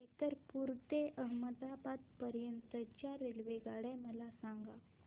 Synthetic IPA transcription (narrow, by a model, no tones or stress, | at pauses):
et̪əɾpuɾt̪eʔəɦməd̪abad̪pəɾjənt̪ət͡ɕjaɾelʋeɡaɽɛməlasaŋɡa